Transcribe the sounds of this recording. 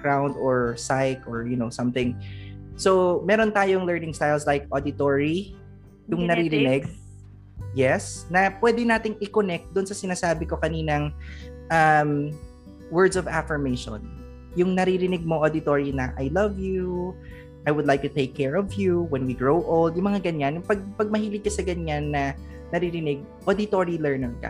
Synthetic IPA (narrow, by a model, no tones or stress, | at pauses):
kɹawnd̪ɔɹsajkɔɹjʊnowsɐ̃mθɪ̃ŋsomɛːɾont̪aːjoŋlɛɹnɪ̃ŋst̪ajlslajkʔod̪ɪt̪oɹi | jʊŋnɐɾiɾɪnɪɡ̚ | jɛsnɐpwɛd̪ɪnaːt̪ɪŋɪkonɛk̚t̪̚d̪ʊnsɐsɪnaːsaːbɪko̞kɐniːnɐŋʔɐm | wɛɹd̪sɔvafɪɹmejʃo̰n | jʊŋnɐɾiɾɪnɪɡ̚mo̞ʔod̪ɪt̪oːɹinɐʔajlɐvju | ʔajwʊd̪lajk̚t̪ʊt̪ejkʰːɛɹɔvjuwɛnwiɡɹowʔolˠd̪jʊŋmɐŋaɡɐɲanjʊpɐɡ̚pɐɡ̚mɐhiːlɪɡ̚kːɐsɐɡɐɲanːɐ | nɐɾiɾɪnɪɡ̚ | ʔod̪ɪt̪oɹilɛɹnɛɹkɐ̰